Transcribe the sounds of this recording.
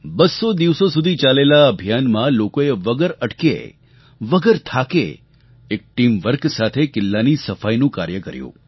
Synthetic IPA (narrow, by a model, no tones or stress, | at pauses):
bəsːod̪iʋsosud̪ʱit͡ʃalelaəbʱjanmãlokoeʋəɡəɾəʈkḛ | ʋəɡəɾt̪ʰakḛ | ek̚ʈimʋəɾksat̪ʰekɪlːanisəfajnũkaɾjəkəɾjṵ̃